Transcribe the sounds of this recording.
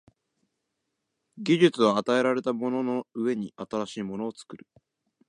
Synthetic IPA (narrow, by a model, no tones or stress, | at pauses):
ɡʲiʑɨt͡sɨβaːt̪ae̞ɾaɾe̞t̪amo̞no̞no̞ɯe̞ɲ̟iʔat̪aɾaɕiːmo̞no̞ːt͡sɨ̥kɯ̟ɾɯ̟